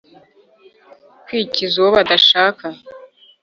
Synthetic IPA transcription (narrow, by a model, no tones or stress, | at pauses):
kwiːcizuwoβadaʃaːka